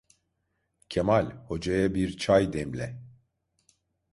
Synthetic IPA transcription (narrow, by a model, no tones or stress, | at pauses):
cʰemalʲho̞d͡ʒajabiɾt͡ʃʰajd̪ɛmlʲɛ